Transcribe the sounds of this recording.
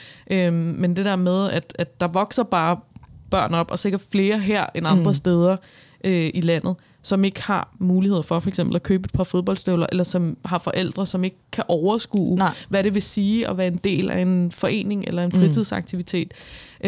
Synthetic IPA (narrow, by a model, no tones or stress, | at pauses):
ʔømend̥e̝d̥eɐ̰með̞ˠæd̥æd̥ːɑ̈ʋɒ̽ɡ̥sɐb̥ɑ̈ːb̥ɶɐ̰nɒ̽b̥ɒ̽se̝ɡ̥ɐd̥fle̝ːɐɦeɐ̰enɑ̈nd̥ʁɐsd̥eːð̞ˠɐ | ʔøilæn̰ð̩ˠ | sɒ̽me̝ɡ̥əhɑ̈muːliheð̰ˠɐfɒ̽fɒeɡ̥semb̥l̩ækʰøːb̥əe̝d̥pʰɑ̈foð̞ˠb̥ɒ̽l̰dsd̥øʊlɐʔelɐsɒ̽mɦɑ̈fɒ̽ʔel̰d̥ʁɐsɒ̽me̝ɡ̥əkʰːæʔɒʊɐsɡ̥ṵːʋæɾe̝ʋe̝siːɒ̽ʋæːɐe̝nd̥e̝̰ːlæ̰e̝nfɒ̽ʔe̝̰ːne̝ŋelɐe̝nfʁit͡sʰiðˠsɑ̈ɡ̥̚t͡sʰiʋit͡sʰe̝̰ːd̥